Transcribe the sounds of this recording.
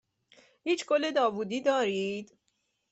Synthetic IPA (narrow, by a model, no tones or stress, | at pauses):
hiːt͡ʃʰkolːe̞d̪ɒːvuːd̪iːd̪ɒːɾiːd̪̥